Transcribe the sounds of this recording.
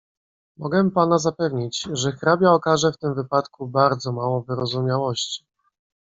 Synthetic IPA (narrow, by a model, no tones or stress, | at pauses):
mɔɡɛpanazapɛvɲit͡ɕʐɛxɾabʲjaɔkaʐɛft̪ɘmvɘpat̪kubaɾd̪zɔmawɔ̃vɘɾɔzumʲjawɔɕt͡ɕi̥